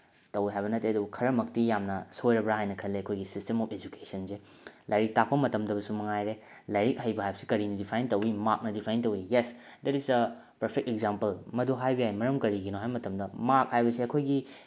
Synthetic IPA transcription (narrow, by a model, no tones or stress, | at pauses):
tɐwiɦajβɐnɐtːeɐdubkʰɐɾɐmɐk̚tijamnɐsojɾɐbɾaɦajnɐkʰɐlːeɐkʰojɡisistemɔpʰed͡ʒukesɐnse | lajɾik̚tak̚pɐmɐtɐmdɐbɐsumɐŋajɾe | lajɾik̚hɐjbɐɦajbɐsi̥kɐɾinɐdipʰajntɐwimak̚nɐdipʰajntɐwijesdɛtisɐ | pɐɾpʰek̚tekzampɐlmɐduɦajbijajmɐɾɐmkɐɾiɡinoɦajmɐtɐmdɐmak̚hajbɐsiɐkʰojɡi